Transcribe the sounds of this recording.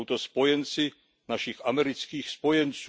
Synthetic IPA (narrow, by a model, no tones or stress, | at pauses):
wt̪ospɔjɛnt͡si | naʃixamɛɾit͡skiːxspɔjɛnt͡s